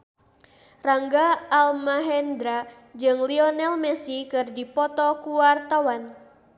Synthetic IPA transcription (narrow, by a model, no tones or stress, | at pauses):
raŋɡaːlmaɦɛnd̪ɾa | d͡ʒɨŋliɔnɛlmɛsikɨrdipɔt̪ɔkuwart̪awan